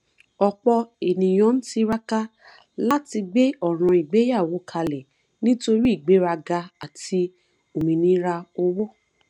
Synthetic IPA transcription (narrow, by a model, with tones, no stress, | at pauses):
ɔ˧k͡pɔ˧e˨nĩ˨j̃ɔ̃˨˦ñ̩˦ti˧ɾa˦ka˦ | la˦ti˧ɡ͡be˦ɔ˦˨ɾ̃ã˧i˨ɡ͡be˨˦ja˦˨wo˨˦kʰa˧lɛ˨ | nĩ˦to˧ɾi˦i˦˨ɡ͡be˨˦ɾa˧ɡa˧a˨ti˧ | o˨mĩ˨nĩ˦ɾa˧o˧wɔ˦˨